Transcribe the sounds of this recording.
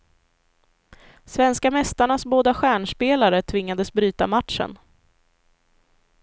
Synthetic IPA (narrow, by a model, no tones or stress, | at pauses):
svɛnskamɛst̪aɳasboːd̪aɧæːɳʂpeːlaɾət̪ʰvɪŋːad̪əsbɾyːt̪amat̪ʂə̰n